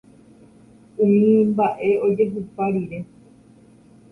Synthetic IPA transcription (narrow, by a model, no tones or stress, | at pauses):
ũmĩmbaʔe̞o̞d͡ʒe̞ɦɨpaɾiɾe̞